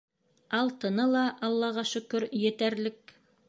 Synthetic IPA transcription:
ɑlˠt̪ɤ̆nɤlˠɑʔɑlˠːɑʁɑʃɵ̆kɵɾjɘ̆t̪æɾlɘk̚

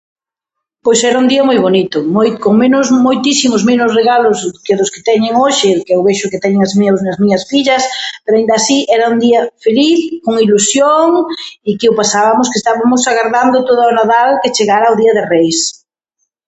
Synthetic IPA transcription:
pojsɛɾɐund̪iɐmojβonit̪ʊmojkoŋmenʊsmojt̪isimʊzmenʊsreɣalʊskeðʊskɪ̥t̪ɛɲɪŋoʃɪkɛʊβeʃʊkɪt̪ɛɲɪŋazmĩɲawsnɐzmiɲɐsfiʎɐspeɾʊaĩnd̪aːsiʔɛɾɐund̪iɐfeliθkoŋilusjoŋikɪʊpasaβɐmʊskɪest̪aβamʊsaɣaɾðand̪ʊt̪oðaonaðalkɪt͡ʃeɣaɾaoðiɐðɪrejs

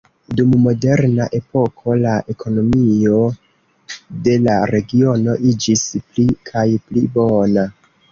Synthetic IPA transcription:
dumːo̞de̞ɾnaʔe̞po̞kʰo̞laʔe̞kʰo̞no̞mio̞ | de̞laɾe̞ɡio̞no̞ʔid͡ʒisplikʰajplibo̞na

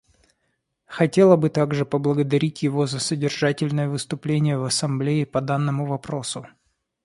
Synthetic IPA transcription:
xɐtʲe̞lˠəbɨt̪aɡʐɨpəblˠəɡəd̪ɐɾʲitʲjɪvo̞zəsədʲɪrʐatʲɪlʲnəjəvɨst̪ʊplʲenʲɪjəvɐsɐmblʲeɪpɐd̪anːəmʊvɐpɾo̞sʊ

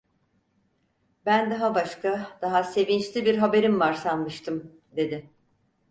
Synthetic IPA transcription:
bænd̪aɦabaʃkad̪̥aɦase̞vint͡ʃlʲibiɾɦabe̞ɾimvaɾsanmɯʃt̪ʰɯm | d̪e̞d̪ɪ

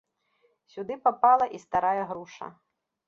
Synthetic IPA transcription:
sʲud̪ɨpapalˠɐʔist̪aɾajɐɣɾuʂɐ̰

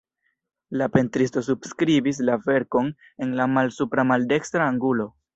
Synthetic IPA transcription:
lape̞ntɾisto̞s̬ubskɾibis̬lave̞ɾko̞n | e̞nlamalsupɾamalde̞kstɾaːŋɡulo̞

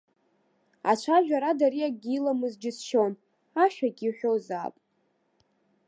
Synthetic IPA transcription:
a̰t͡ʃʷʰaʒᶣaɾadaɾiaɡʲilamɨzd͡ʒɪsʃon | aʃᶣaɡʲiħᶣoza̰pʼ

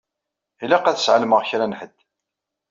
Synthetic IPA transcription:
ilæqæθə̥sʕalməʁçɾænħəd̪̥ː

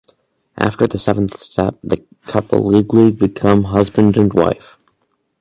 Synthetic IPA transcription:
ʔæ̰ftə˞ðɨsɛvn̩θstɛp̚ðɨ | kʰʌpə̰liɡlibɨkʰʌ̃mɦʌzbɨ̃ndɨ̃nwa̰ɪf

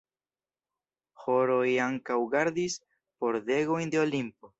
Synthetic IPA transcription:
xoɾojaŋkawɡaɾd̪is | po̞ɾd̪eɣo̞jnd̪eolimpo

